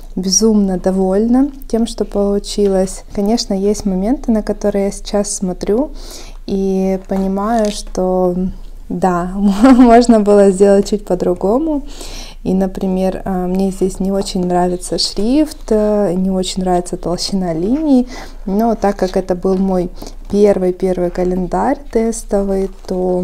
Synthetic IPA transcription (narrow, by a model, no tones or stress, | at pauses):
bʲɪzumnəd̪ɐvo̞lʲnətʲe̞mʂt̪o̞pəlˠʊt͡ɕilˠəsʲkɐnʲe̞ʂnəjesʲtʲmɐmʲe̞nt̪ɨnəkɐt̪o̞ɾɨjasʲɪ̥t͡ɕasːmɐt̪ɾʲu | ipənʲɪmajʊʂt̪o̞ | d̪amoʐnəbɨlˠəzʲdʲe̞lˠət̚ʲt͡ɕːut̚ʲpəd̪ɾʊɡo̞mʊ | inəpɾʲɪmʲe̞rəmnʲezʲdʲesʲnʲɪo̞t͡ɕɪnʲnɾavʲɪt̪səʂɾʲift̪nʲɪo̞t͡ɕɪnʲnɾavʲɪt̪sət̪əlˠɕɪnalʲinʲɪː | not̪akːakɛt̪əbɨlˠmo̞j | pʲe̞rvɨjpʲe̞rvɨjkəlʲɪnd̪aɾʲt̪ɛst̪əvɨjt̪o